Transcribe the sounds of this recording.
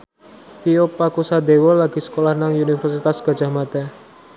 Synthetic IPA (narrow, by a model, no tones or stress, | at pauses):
t̪iopakusad̪ewɔlaɡ̥i̤sə̥kolahnaŋunifərsit̪asɡ̥a̤̥d͡ʒ̥a̤hmat̪a